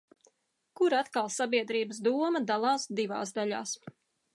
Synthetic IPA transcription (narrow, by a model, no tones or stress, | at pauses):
kuɾat̪kalˠsabiɛd̪ɾiːbəs̬d̪uɔmɐd̪alˠɑːsd̪iva̰ːsd̪aʎa̰ːs